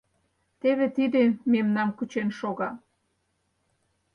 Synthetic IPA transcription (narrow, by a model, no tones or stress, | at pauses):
t̪eβet̪id̪ememnɑmkut͡ɕenʃoɣɑ